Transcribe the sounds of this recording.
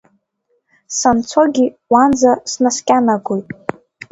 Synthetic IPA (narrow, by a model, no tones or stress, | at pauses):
sant͡sʷʰoɡʲi | wand͡zasnaskʲʼanaɡujtʼ